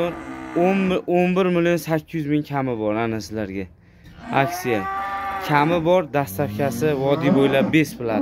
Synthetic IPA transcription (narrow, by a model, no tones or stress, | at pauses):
onononbɪɾmɪlijonsakʲːɪjʏzmɪŋkʲʰamɪbɒɾanɪsɪlaɾɡʲa | akʲsijakʲʰamɪbɒɾd̪ast̪afkʲʰasɪvɒd̪ijbojlap̚be̞sbɪlaɪ